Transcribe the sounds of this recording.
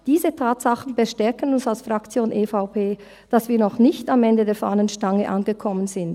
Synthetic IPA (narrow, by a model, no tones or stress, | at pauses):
d̥iːzətʰaːtsaχn̩bəʃtɛɐkənʊnsalsfʁakt͡sjoːnʔeːfaʊpʰeː | d̥asviːɐnɔχnɪçtamɛndədeːɐfa̰ːnənʃtaŋəʔa̰nɡəkʰɔmənzɪnt